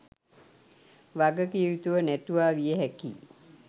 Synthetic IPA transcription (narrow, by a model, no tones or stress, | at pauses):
ʋaɡəkiʋit̪uʋənæt̪uʋaːʋijəɦækḭː